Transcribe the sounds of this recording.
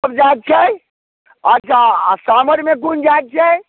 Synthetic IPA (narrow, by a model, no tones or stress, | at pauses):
əb̚d͡ʒat̪̚t͡ʃʰɛ | ɐt͡ʃʰasaːməɾmẽk̬und͡ʒat̪̚t͡ʃʰɛ